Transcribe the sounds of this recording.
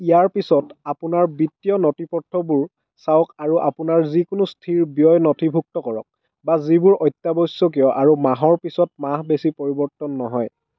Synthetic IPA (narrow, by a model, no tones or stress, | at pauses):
ijaɹpisɔtapʊnaɹbitːijɔnɔtipɔtʰːɔbuɹ | sawkaɹuʔapʊnaɹzikʊnʊstʰiɹbijɔjnɔtʰibʱuk̚tɔkɔɹɔ̰k̚ | bazibʊɹɔjtːabɔsːɔk̬ijɔʔaɹumaɦɔɹpisɔt̚maɦbesipoɹibɔɹtɔnːɔɦɔj